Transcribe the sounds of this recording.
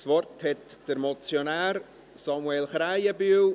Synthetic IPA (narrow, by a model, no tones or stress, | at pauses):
svɔrthɛtd̥əɾmɔt͡sjonaːɾ | sɑmwelχɾajəbyːw